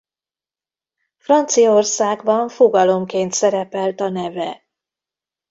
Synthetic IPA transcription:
frɒnt̪sijɒorsaːɡbɒɱfoɡɒlo̞mkeːnt̪sɛɾɛpɛlt̪ɒnɛvɛ

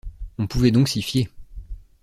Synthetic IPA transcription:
ɔ̃puvɛd̪ɔ̃ksifje

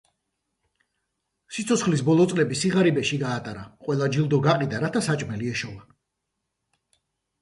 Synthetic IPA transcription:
sit̪sʰɔt̪sχlisbɔlˠɔt̪sʼlɛbisiʁaɾibɛʃiɡaːt̪ʼaɾaqʼwɛlˠad͡ʒilˠd̪ɔɡaqʼid̪aɾat̪ʰasat͡ʃʼmɛliɛʃɔva

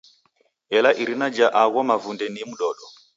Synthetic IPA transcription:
ɛlaʔiɾinad͡ʒaʔaɣɔmavundɛnimuɗɔːɗɔ

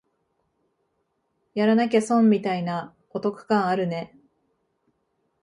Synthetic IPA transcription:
jaɾanak̬esõmːʲit̪aina | ot̪o̞kɯ̟̥kãɰ̃aɾɯ̟ne̞

